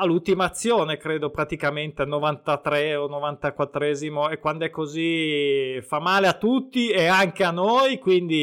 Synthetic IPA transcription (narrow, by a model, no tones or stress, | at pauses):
alːult̪imaːt̪sːjoːnekɾeːd̪opɾat̪ikament̪eanːovant̪at̪ɾɛonːovant̪akwat̪ːɾɛzimoekwand̪oɛkːozi | famːaːleat̪ːut̪ːieaŋk̟eanːojkwind̪i